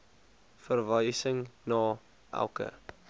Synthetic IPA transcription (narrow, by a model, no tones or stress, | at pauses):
fərvəjsəŋnɑː | ʔæ̰lˠkə̰